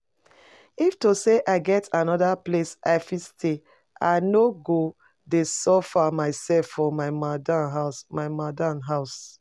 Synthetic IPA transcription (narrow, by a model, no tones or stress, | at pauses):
iftoseʔaɪɡɛtʰanɔdaplesʔaɪfistʰe | a̰ɪnoɡo | desɔfamaɪsɛlfːɔmaɪmadanɦaʊsmaɪmadanɦaʊs